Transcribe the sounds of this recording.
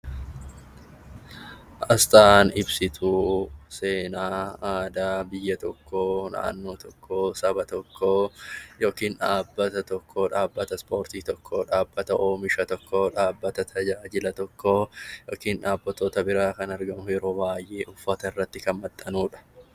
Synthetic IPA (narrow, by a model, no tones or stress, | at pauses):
ʔɐst̪ʼanɪbsɪt̪ʰuːse̞ːnaːaːd̪aːbɪjːɐt̪ɔkːoːna̰ʔːnːoːt̪ɔkːoːsɐbɐt̪ɔkʰːoːjo̞ːkiːnᶑaːbːɐt̪ɐt̪ɔkːo̞ːᶑaːbːɐt̪ɐspo̞ːɾt̪iːt̪ɔkːoːᶑaːbːɐt̪ɐʔoːmɪʃɐt̪ɔkːo̞ːᶑaːbːɐt̪ɐt̪ʰɐd͡ʒaːd͡ʒɪlɐt̪ɔkʰːoːjoːkiːnᶑaːbːɐt̪oːt̪ɐbɪɾaːkɐnɐɾɡɐmʊjɛɾo̞ːbaːjʔe̞ːʔʊfːɐt̪ɐɪrːɐt̪ːɪkɐnmɐt̪ʼːɐnuːᶑɐ̥